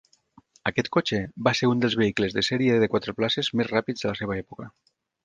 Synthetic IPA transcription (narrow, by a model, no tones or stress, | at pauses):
akɛt̪kot͡ʃebaseɾund̪elzβeiklezðeseɾieðekwat̪ɾeplasezmezrapid͡zðəlaseβ̞aɛpukə